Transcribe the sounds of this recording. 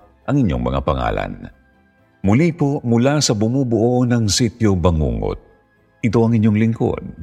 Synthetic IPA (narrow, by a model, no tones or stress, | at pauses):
ʔɐŋɪɲjo̞ŋmɐ̰ŋa̰pɐŋa̰ːlɐ̰n | mʊlipomʊlasɐbʊmuːbʊʔonɐŋsit̪jobɐŋṵːŋo̰t̪̚ | ʔɪt̪o̞ɐŋɪɲjo̞ŋlɪŋko̰d̪̚